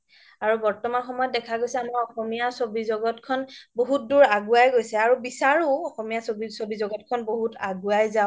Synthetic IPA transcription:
aɹubɔɹtɔmanxɔmɔjɔt̚dɛkʰaɡojsɛamɔɔxɔmijasobizɔɡɔtkʰɔnboɦut̚duɹaɡuajɡojsɛaɹubisaɹuɔxɔmijasobisobizɔɡɔtkʰɔnboɦutaɡuajzaʊ

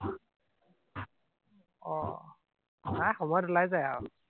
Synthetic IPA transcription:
ɔ | najxɔmɔjɔdulajzajaw

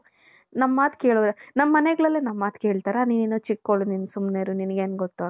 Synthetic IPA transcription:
nɐmːaːt̪keːɭod̪enɐmːɐːɐneɡɐɭɐlːenɐmːaːt̪keːɭt̪aːɾaniʋeːnut͡ʃikːoɭuninsumneːɾuninɐɡeːnɡot̪ːu

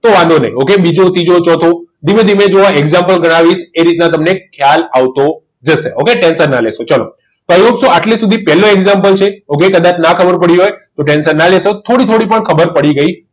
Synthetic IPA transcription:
t̪oʋãnd̪onə̰ĩokebid͡ʒot̪id͡ʒot͡ʃɔt̪ʰod̪imẽd̪imed͡ʒoʋaeɡzampəlɡəɽ̃aʋiʃeɾit̪nat̪əmnekʰjalaʋt̪o | d͡ʒəʃeʔokeʈɛnsəɾnaleʃot͡ʃalo̰ | t̪oəoksoaʈlesud̪ʱipɛloeɡzampəlt͡ʃʰeokekəd̪ãt͡ʃnakʰəbəɾpəɽiɦojt̪oʈensəɾnalesot̪ʰoɽit̪ʰoɽipəɳkʰəbəɾpəɽiɡəi

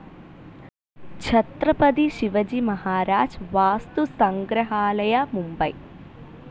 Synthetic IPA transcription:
t͡ʃʰɐt̪ɾɐpɐd̪iʃiʋɐd͡ʒimɐɦaːɾaːd͡ʒʋaːst̪usɐŋɡɾɐɦaːlɐjɐmumbɐj

